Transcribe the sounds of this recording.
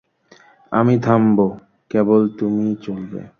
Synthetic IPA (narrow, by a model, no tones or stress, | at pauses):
a̰mit̪ʰambo | kebolt̪umit͡ɕolbḛ